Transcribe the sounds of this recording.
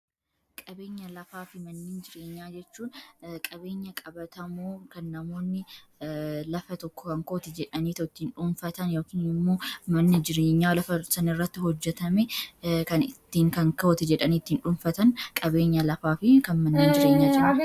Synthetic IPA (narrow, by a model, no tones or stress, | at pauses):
kʼɐbe̞ːɲːɐlɐfaːfɪmɐnːeːnd͡ʒɪɾeːɲːaːd͡ʒɛt͡ʃːuːnkʼɐbe̞ːɲːɐkʼɐbɐt̪ɐmuːkɐnːɐmo̞ːnːɪ | lɐfɐt̪ɔkːɔ̥kɐŋkot̪ɪd͡ʒɛᶑɐniːt̪ɐɪt̪ːiːnᶑʊnfɐt̪ɐnjo̞ːkiːnɪmːo̞ːmɐnːɪd͡ʒɪɾeːɲːaːlɐfɐsɐnɪrːɐt̪ːɪɦɔd͡ʒːɛt̪ɐmɛkɐnɪt̪ːiːŋkɐŋkɐɔt̪ɪd͡ʒɛᶑɐniːɪt̪ːiːnᶑʊnfɐt̪ɐnkʼɐbe̞ːɲːɐlɐfaːfɪkɐnmɐnːeːnd͡ʒɪɾe̞ːɲːaːd͡ʒɪɪɾɐ